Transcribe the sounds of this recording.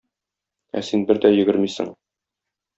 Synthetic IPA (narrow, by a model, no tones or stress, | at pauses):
æ̰sinbɘɾd̪æjɵ̆ɡɘɾmisɘ̰ŋ